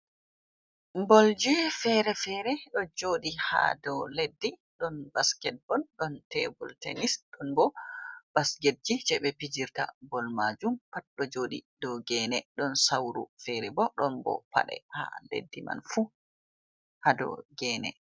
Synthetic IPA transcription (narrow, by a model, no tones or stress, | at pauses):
mbɔld͡ʒɛfɛɾɛfɛɾɛɗɔd͡ʒoːɗiha̰dɔledːiɗɔnbaskɛt̚bɔlɗɔntɛbɔltḛnisɗɔnbɔb̥asɡedd͡ʒid͡ʒɛɓɛpid͡ʒiɾta̰bɔlmad͡ʒumpat̚ɗɔd͡ʒoːɗḭdɔɡɛnɛɗɔnsawɾṵfɛɾɛbɔɗɔnbɔ̰pa̰ɗɛ̰ha̰lḛdːima̰nfu | hadɔ̰ɡɛːnɛ̰